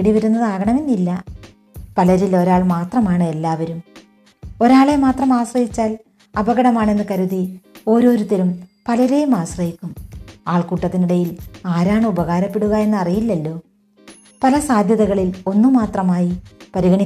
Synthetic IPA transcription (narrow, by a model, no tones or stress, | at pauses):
ɽiʋɐɾunːɐðɨaːɡɐɳɐminːilːɐ | pɐlɐɾilo̞ɾaːɭmaːt̪rɐmaːɳɨe̞lːaːʋɐɾum | o̞ɾaːɭe̞maːt̪rɐmaːɕrɐɦit͡ɕːaːl | ɐbɐɣɐɽɐmaːɳe̞nːɨkɐɾuðio̞ːɾo̞ːɾut̪ːelumpɐlɐɾejumaːɕrɐjikʲːumaːɭkuːʈːɐt̪ːiniɽɐjilaːɾaːɳɨubɐɣaːɾɐpːe̞ɽuɣɐe̞nːɨɐrijilːɐlːo̞ː | pɐlɐsaːd̪ʱjɐðɐɣɐɭilo̞nːumaːt̪rɐmaːjipɐɾiɣɐɳi